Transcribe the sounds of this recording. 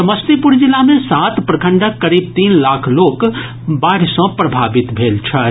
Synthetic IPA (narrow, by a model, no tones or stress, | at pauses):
səməst̪ipuɾd͡ʒilːamẽsat̪pɾəkʰəɳɖəkːəɾib̚t̪inlakʰlok | baɾsə̃pɾəbʱabit̪bʱelt͡ʃʰə